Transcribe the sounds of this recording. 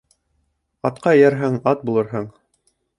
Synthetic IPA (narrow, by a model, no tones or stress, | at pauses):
ɑt̪qɑjæɾɦɘŋɑt̪̚bulˠɤ̆ɾɦɤɴ